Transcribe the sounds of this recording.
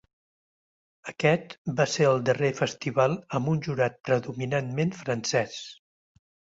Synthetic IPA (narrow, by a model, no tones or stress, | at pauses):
əkɛt̪baseəlˠd̪ərefəst̪iβalˠəmbunʲʒuɾat̪̚pɾəðuminanmenfɾənsɛs